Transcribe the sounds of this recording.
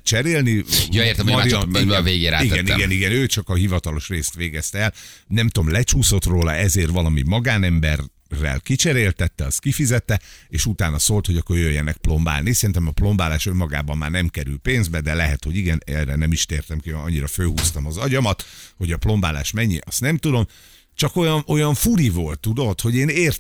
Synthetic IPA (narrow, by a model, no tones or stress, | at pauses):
t͡ʃɛɾeːlnijoeːrt̪ɛmmɒiveːɡeːɾaːiɡɛnɡɛniɡɛnøːt͡ʃɒkɒɦivɒt̪ɒlo̞ʃreːst̪ʋeːɡɛst̪ɛɛlnɛmt̪omlɛt͡ʃuːso̞t̪roːlɒɛzeːrʋɒlɒmḭmɒɡaːnɛmbɛrː | ɛ̰lkit͡ʃɛɾeːlt̪ɛt̪ːɛɒst̪̚kifizɛt̪ːɛeːʃut̪aːnɒsoːlt̪ho̞ɟɒkːo̞rjøjːɛnɛk̚plo̞mba̰ːlnisɛɾint̪ɛmɒplo̞mbaːlaːʃømːɒɡa̰ːbɒmːaːrnɛmkɛɾylpeːnzbɛd̪ɛlɛɦɛt̪ho̞ɟiɡɛnɛrɛnɛmiʃt̪eːrt̪ɛmkiønɒɲːiɾɒføːhuːst̪ɒmɒzɒɟɒmɒt̪ho̞ɟɒplo̞mbaːla̰ːʃmɛɲːiʔɒst̪nɛmt̪ud̪o̞m | t͡ʃɒko̞jɒnʔo̞jɒɱfuɾivolt̪ːud̪o̞t̪ho̞ɟeːneːr